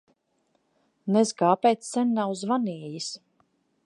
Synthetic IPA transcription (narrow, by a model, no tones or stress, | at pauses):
nezɡaːpɛjt̪ssɛnʲːawzvaniɛjis